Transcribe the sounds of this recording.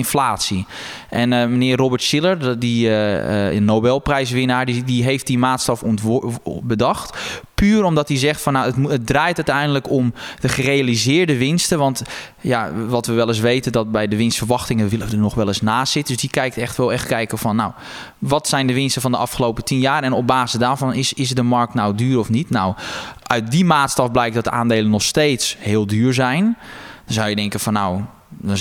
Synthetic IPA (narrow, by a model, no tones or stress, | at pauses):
ɪnflaːtsi | ʔɛnmənɪːrrobərtsɪlˠərdi | nowbɛlˠprɛjs̬ʋɪnaɹdidiɦejft̚dimaːtstɔf | bədɑxtpyːromdɔtdizɛxtfɔnːawətət̚draːjtœtɛjndələkomdəxərejalizɪːɹdəʋɪnstəʋɔnt | jaʋɔtʋəʋɛlˠɪs̬ʋejtəndɔt̚bɛjdəʋɪnstfərʋɑxtɪŋəʋɪləədənɔxʋɛlˠɪsnaːsɪt̚døsdikɛjk̚tɛxtʋɛlˠɛxtkɛjkəfɔnːaw | ʋɔtsɛjndəʋɪnstəfɔndəɑfxəlowpətinjaːɾɛnɔp̚baːzəsdaːɹvɔnɪsɪsdəmɑrk̚tnawdyːɾɔfnitnawʔœɥt̚dimaːtstɑfblɛjk̚dɔt̚dəʔaːndeːlənːɔxsteːtshɪːlˠdyːrzɛjndɔnzawjədɛŋkəfɔnːaw | dɔ